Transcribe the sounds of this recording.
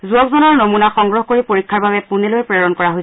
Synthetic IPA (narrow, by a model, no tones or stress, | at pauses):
zuɔkzɔnɔɹnomunaxɔŋɡɹɔɦkoɹipoɹikʰːaɹbabɛpunilojpɹɛɹɔnkɔɹaɦojsɛ